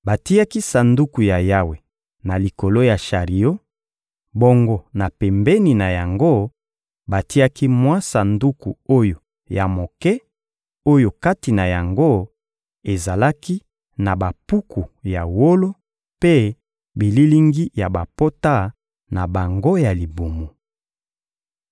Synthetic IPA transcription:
ba˨ti˦a˦ki˦sa˨ndu˦ku˨ja˨ja˦we˨ | na˨li˨ko˨lo˦ja˨ʃa˨ʁi˨jo˦ | bo˦ŋɡo˦na˨pɛ˨mbɛ˦ni˨na˨ja˨ŋɡo˦ | ba˨ti˦a˦ki˦mwã˦sa˨ndu˦ku˨o˦jo˨ | ja˨mo˨kɛ˦ | o˦jo˨ka˦ti˨na˨ja˨ŋɡo˦ | e˨za˨la˦ki˦ | na˨ba˨pu˦ku˨ja˨wo˦lo˦ | pe˦ | bi˨li˦li˦ŋɡi˦ja˨ba˨po˦ta˦ | na˨ba˨ŋɡo˦ja˨li˨bu˨mu˨

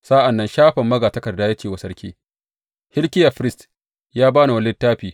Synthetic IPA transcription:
saː˦ʔa˨nːɐ˦nʃaː˦ɸɐ˨mːɐ˦ɡaː˨tɐ˦kɐ˨rdːaː˦ja˦t͡ʃeː˨wɐ˨sɐ˦ɽkʲʰḭː˦ | hɪ˦lkʲɪ˦ja˨ɸɪ˦ɾɪ˦st | jaː˦baː˦na˨wɐ˨lːɪ˦tːaː˦ɸiː˨

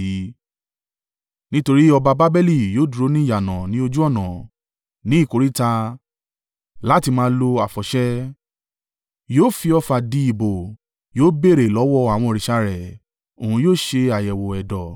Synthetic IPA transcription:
nĩ˦to˧ɾi˦ɔ˧ba˧ba˦bɛ˦li˦˨joː˦du˧ɾo˦nĩ˦˨ja˨nã˨nĩ˦o˧d͡ʒu˦ɔ˦˨nã˨ | nĩ˨˦i˦˨ko˨˦ɾi˦ta˧ | la˦ti˧mã˦lo˧a˨fɔ˨ʃɛ˦ | joː˦˨fi˧ɔ˧fa˧di˧˦i˨bo˨ | joː˦be˦˨ɾe˨lɔ˨˦wɔ˦˨a˨w̃ɔ̃˧ɔ˧ɾi˨ʃa˧ɾɛ˨ | o˨ũ˧joː˦˨ʃe˧a˨jɛ˨wo˨ɛ˨dɔ˨

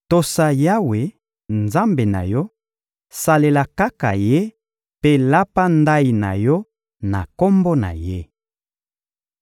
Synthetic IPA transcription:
to˨sa˨ja˦we˨ | nza˦mbe˨na̰˨jɔ˦ | sa˨le˨la˨ka˦ka̰˨je˦ | pe˦la˦pa˦nda˦i˨na̰˨jɔ˦ | na̰˨ko˦mbo˦na̰˨je˦

